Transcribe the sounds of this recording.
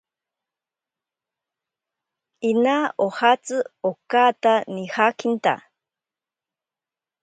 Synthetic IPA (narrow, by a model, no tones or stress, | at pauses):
inaohat͡sɨokat̪anihakint̪a̰